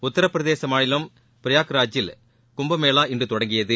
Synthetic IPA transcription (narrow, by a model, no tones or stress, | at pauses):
ʊt̪ːɐɾɐpːɪɾɐðeːsɐmaːɻɪlɐm | pɪɾɪjaːkɾaːd͡ʒɪl | kʊmbɐmeːlaːɪndrɯt̪ɔɽɐŋɡɪjɐðɯ